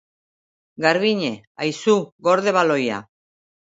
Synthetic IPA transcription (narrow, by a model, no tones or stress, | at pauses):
ɡaɾβiɲe̞ | ajsuɡo̞ɾðe̞βalo̞ja̰